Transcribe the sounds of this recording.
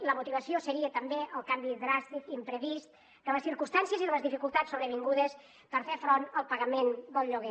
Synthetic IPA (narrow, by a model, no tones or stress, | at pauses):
ləmut̪iβ̞əsiosəɾiət̪əmbeʔəlˠkambiððɾast̪ikimpɾəβist̪ | d̪əβəsθiɾkust̪ansjəziðəβəzðifikulˠt̪asːuβɾəβ̞iŋɡuðəs | pəɾfefɾonəlˠpəɣəmend̪əlˠʎuɣ̞e